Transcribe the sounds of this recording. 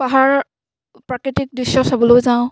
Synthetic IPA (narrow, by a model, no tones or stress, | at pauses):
baɦaɹ | pɹakɹitik̚dɹisːɔsabɔlojzaʊ̃